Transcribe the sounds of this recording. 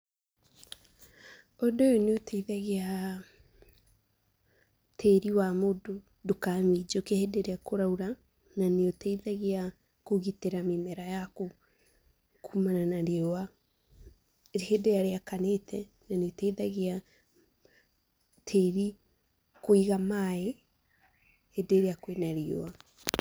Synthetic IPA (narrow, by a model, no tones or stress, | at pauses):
odojoneotʰɛiðaɣea | tʰeɾiwamodo | dokamid͡ʒokehedeɾeakoɾauɾa | naneotɛiðaɣea | koɣiteɾamemɛɾajako | kʰuːmananaɾeoa | hedejaɾeakanetʰɛ | naneotɛiðaɣea | tʰeɾi | koiɣamae | hedeɾeakwenaɾeo̰a